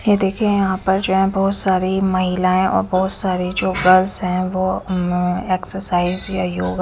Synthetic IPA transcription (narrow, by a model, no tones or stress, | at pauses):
jed̪eːkʰiejɐɦãpɐɾd͡ʒoːɦɛ̃bɔɦʊt̪saːɾimɐɦɪlãːẽʔɔ̰ːɾbɔɦʊt̪saːɾid͡ʒoːɡɐlzɦɛ̃ʋo | eːksəɾsaːɪzjajoːɡ